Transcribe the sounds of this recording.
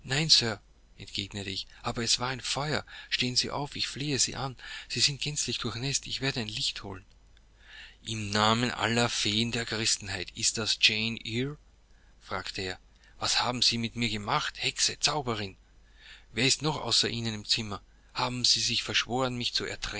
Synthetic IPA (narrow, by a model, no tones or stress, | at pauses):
naɪnsœɐ | ʔɛ̰ntɡ̥eːɡnətəɪçʔaːbɐɛsv̥aːɐaɪnfɔʏɐ̰ʃteːənzḭːʔa̰ʊfɪçfleːəzḭːʔanz̥iːzɪnt̚ɡ̥ɛnt͡slɪçd̥ʊɐxnɛstɪçv̥eːɐdəaɪnlɪçtho̰ːlən | ʔɪmnaːmənʔa̰lɐfeːəndeːɐɡʁɪstn̩haɪtɪst̚d̥asd͡ʒeɪnʔiɹ | fʁ̥aːktʰəeːɐ | vashaːbm̩ziːmɪtmiːɐɡəmaχthɛksət͡saʊbəʁɪn | veːɐɪstnɔχʔa̰ʊsɐʔiːnənɪmt͡sɪmɐ | haːbm̩z̥iːzɪçfɛɐʃv̥oːʁənmɪçt͡suɛ̰ɐtʁ̥ɛ